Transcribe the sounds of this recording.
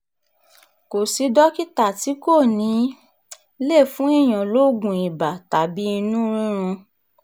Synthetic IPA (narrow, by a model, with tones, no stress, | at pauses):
ko˨si˧˦dɔ˦ki˦ta˦˨ti˨˦ko˦˨nĩ˨˦ | le˦˨fũ˨˦i˦˨j̃ã˨lo˨˦ɡũ˧˨i˨ba˨ta˨bi˨˦i˧nũ˦ɾ̃ĩ˦ɾ̃ũ˧